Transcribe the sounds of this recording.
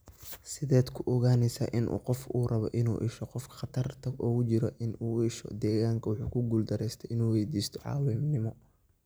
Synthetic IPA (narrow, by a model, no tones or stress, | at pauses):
sɪðɛːd̪kʰʊʔɔɣaːnɛsaːʔɪnʔṵːqɔfuːrɐβɔ̰ʔɪnṵːʔɪ̰ʃɔqɔfkʰɐ̥χɑt̪ʰɐrt̪ʰɐʔɔːɣʊt͡ʃɪɾɔʔɪnuːɪʃɔ̰d̪ɛːɣaːŋkʰɐwʊħuːkʰʊɡuːld̪ɐɾɛjst̪ʰɛɪnuːwɛjd̪iːst̪ʰɔ̥ʕɑ̰ːwɪmnɪmɔ